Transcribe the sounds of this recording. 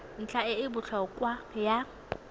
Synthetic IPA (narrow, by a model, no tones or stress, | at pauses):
n̩t͡ɬʰʼaɪɪbʊt͡ɬʰɔkʼwaja